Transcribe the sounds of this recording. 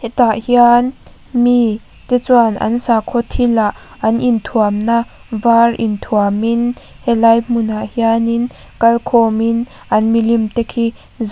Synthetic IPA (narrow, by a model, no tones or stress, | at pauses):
hɛt̪aʔhian | mi | t̪ɛt͡swanʔɐ̰nsakʰɔt̪ʰilaʔʔɐnʔint̪ʰuamnavarint̪ʰuamin | hɛlɐjmunaʔhianin | kɐlkʰɔmin | ʔɐnmilimt̪ɛkʰi | z